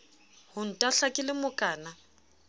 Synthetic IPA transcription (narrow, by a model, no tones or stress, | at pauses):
hʊn̩tʼaɬakʼɪlɪmʊkʼaːna